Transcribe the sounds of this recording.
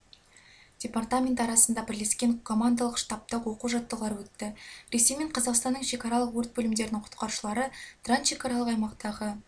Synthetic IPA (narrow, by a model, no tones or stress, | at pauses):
d̥ʲe̞part̪amʲe̞nt̪ɑɾɑsənd̪ɑbɪɾle̞skʲe̞ɴkʰo̞mand̪alˠəqʃt̪ɑp̚t̪əqwo̞quʒɑt̪ːəlˠɑɾəwɵt̪ːɪɾe̞se̞jme̞ɴqʰɑzɑqst̪ɑnːəɴʃe̞kɑɾɑlˠəqwɵɾt̪̚bɵlɪmd̪e̞ɾɪnɪŋqʰʊ̥t̪qɑɾʃəlˠɑɾət̪rant̪ʃe̞kɑɾaɑlˠəqɑjmɑqt̪ɑʁə